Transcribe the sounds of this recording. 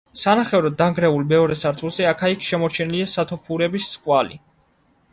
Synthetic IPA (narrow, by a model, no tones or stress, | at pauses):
sanaχɛvɾɔd̪d̪ːaŋɡɾɛulmɛɔɾɛsaɾt̪ʰulˠzɛakʰaikʰʃɛmɔɾt͡ʃʰɛniliasat̪ʰɔpʰuɾɛbisːqʼwalḭ